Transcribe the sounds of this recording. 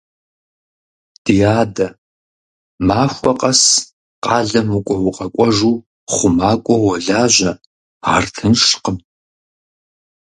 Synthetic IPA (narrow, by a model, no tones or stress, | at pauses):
d̥ijaːdɐ | maːxʷɔqʼɐs | qɑːɮɐmukʷʼɔwʊqʼɐkʷʼɔʐuː | χʷʊmaːkʷʼɔwɔɮaːʒʷɐ | aːrtʰɨnʂqəm